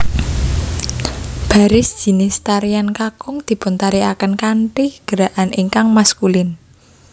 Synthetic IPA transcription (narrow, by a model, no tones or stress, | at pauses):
b̥a̤ɾɪsd̥ʒ̥i̤nɪst̪aɾijankakʊŋd̪̥i̤pʊnt̪aɾiakənkaɳʈihɡ̥əɾaʔanʔiŋkaŋmaskulɪn